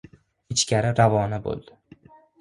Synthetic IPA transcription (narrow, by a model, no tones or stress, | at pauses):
ɪt͡ʃkʲaɾɪɾavɒnabo̰lˠd̪̥ɪ